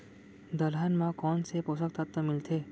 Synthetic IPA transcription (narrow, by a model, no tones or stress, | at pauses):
d̪əlɦənmãkɔːnseposək̚t̪ʰat̪ːəmɪlt̪ʰeː